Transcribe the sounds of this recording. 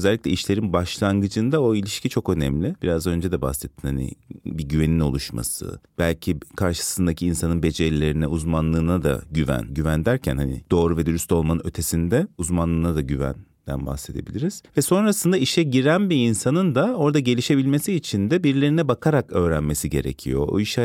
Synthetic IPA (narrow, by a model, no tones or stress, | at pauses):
zɛlʲːicʲlʲɛiʃlʲe̞ɾinbaʃlˠaŋɡɯd͡ʒɯnd̪aoilʲiʃcʰit͡ʃʰo̞kø̞nɛ̰mlʲɪb̥iɾazø̞nd͡ʒɛd̪ɛba̰hsɛt̪ʰːinhanḭbiɟyve̞nino̞lˠuʃma̰sɯ̰b̥ælʲcʰikʰaɾʃɯ̥sɯnd̪acʰiinsanɯnbe̞d͡ʒellʲːe̞ɾinɛ̰uzmanlˠɯːnad̪a̰ɟyvæ̰nɟyvænd̪æɾcʰæ̰nhanḭd̪̥o̞ːɾuvɛd̪yɾyst̪o̞lˠmanɯnø̞t̪ʰe̞sind̪ɛuzmanlˠɯːnad̪aɟyvæ̰n | d̪æ̰nba̰hse̞d̪e̞bilʲiɾiz̥vɛso̞nɾasɯnd̪aiʃɛɟiɾænbiinsanɯnd̪ao̞ɾd̪aɟe̞lʲiʃe̞bilʲme̞siːt͡ʃʰind̪ɛbiɾlʲe̞ɾinɛbakʰaɾakø̞ːɾænme̞siɟe̞̰ɾḛcʰijo̞̰o̰iʃɛ